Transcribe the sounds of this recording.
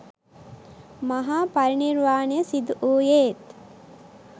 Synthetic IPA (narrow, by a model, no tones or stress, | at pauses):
maɦaːpaɾiniɾʋaːnejəsid̪uʔuːjeːt̪